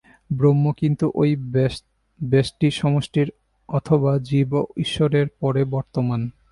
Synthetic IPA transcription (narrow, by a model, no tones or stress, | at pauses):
bɾomːokint̪uʔoj | besʈiʃɔmoʃʈiɾ | ɔt̪ʰoβad͡ʑiboiʃːoɾeɾpɔɾebɔɾt̪oman